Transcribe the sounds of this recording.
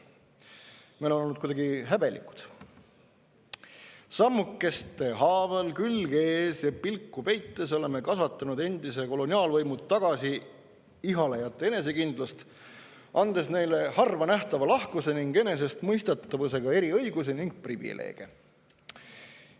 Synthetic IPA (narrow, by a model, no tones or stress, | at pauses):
mejlonolːud̪kujd̪ɑɡiɦæbe̞lḭku̥d̪̥ | sɑmːukːe̞st̪ːe̞ɦɑːvelkylɡ̥eːsjɑpilkˑːupe̞jt̪ːe̞so̞le̞me̞kɑsvɑt̪ːˑɑnud̪̥e̞nd̪̥ise̞ko̞lo̞niɑːlvɤjmud̪t̪ːɑɡ̥ɑsi | iɦɑlejɑt̪ːˑe̞e̞ne̞s̬e̞kind̪̥lɑst̪ | ʔɑnd̪̥e̞sne̞jle̞hɑrvɑnæht̪ɑvɑlɑhkuse̞niŋɡ̥ene̞s̬e̞st̪mɤjst̪et̪ːɑvuse̞ɡ̥ɑe̞ɾiɤ̞jɡus̬eniŋɡ̥̚privḭlʔḛːɡ̥e